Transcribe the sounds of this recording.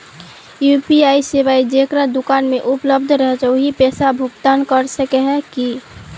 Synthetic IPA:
jupiaːiseʋaːid͡ʒekɾad̪okaːnmẽʔʊpləb̚d̪ʱɾəɦɛd͡ʒaɦipɛːsabʱʊɡt̪aːnkəɾsəkɛɦɛ̃ki

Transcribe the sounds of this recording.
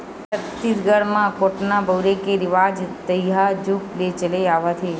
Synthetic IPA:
ət̪ːit̪ɡəɽmãkoʈnabəwɾekeɾɪʋad͡ʒt̪əjɦad͡ʒuklet͡ʃəleaʋat̪ʰe

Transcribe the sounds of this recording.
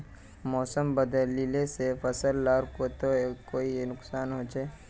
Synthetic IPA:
mɔːsəmbəd̪əlilesefʰɐsəlːaːɾkot̪oekoːinʊksaːnɦoːd͡ʒeː

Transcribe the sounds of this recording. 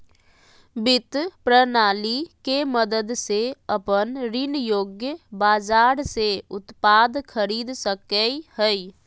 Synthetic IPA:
bɪt̪pɾənaːlikeməd̪əd̪seəpənɾɪnjoːɡjəbaːd͡ʒaːɾseʊt̪paːd̪kʰəɾiːd̪səkəihəi

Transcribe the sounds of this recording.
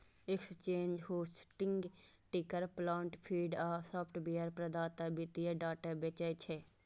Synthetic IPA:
ɪkst͡ʃeːnd͡ʒhoːsʈɪŋɡ | ʈɪkəɾplãːɳʈpʰiːɖaːsaːpʰʈbeːəɾpɾəd̪aːt̪əbɪt̪ieɖaːʈəbet͡ʃait͡ʃʰeː

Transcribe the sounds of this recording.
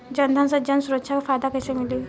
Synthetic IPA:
d͡ʑənd̪ʱãnsəd͡ʑansuɾətːɕʰakfad̪akəjsemili

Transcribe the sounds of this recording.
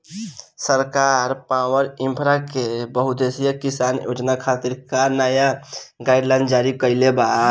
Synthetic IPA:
səɾkaɾpawəɾɪ̃mpʰɾakebəɦud̪esijəkisanjo̰ːd͡ʒnakʰat̪iɾkanəjaɡaɪɖlaɪ̃nɖd͡ʒaɾikəɪleba

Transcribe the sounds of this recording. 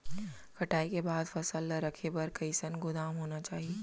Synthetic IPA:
kʰɐʈaːikebaːd̪fɐsəlːəɾɐkʰepɐɾkɐɪsənɡʊlaːmɦoːnat͡ʃaːɦieː

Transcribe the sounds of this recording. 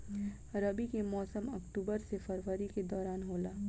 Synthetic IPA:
ɾɐbikemɔːsəmɐkʈuːbəɾsefɐɾʋəɾiked̪ɔːɾaːnɦoːlaː

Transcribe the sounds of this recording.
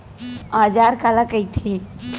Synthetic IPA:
aːd͡ʒaːɾkaːlakɐit̪ʰe

